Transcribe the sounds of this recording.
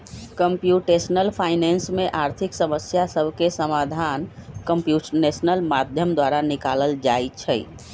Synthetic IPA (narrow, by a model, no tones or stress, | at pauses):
kəmpjuʈesnəlpʰaɪnensmeʔaɾt̪ʰiksəməsjasəbʱkesəmad̪ʱankəmpjusənesnəlmad̪ʱjəmd̪waɾanikaləld͡ʒajt͡ʃʰəj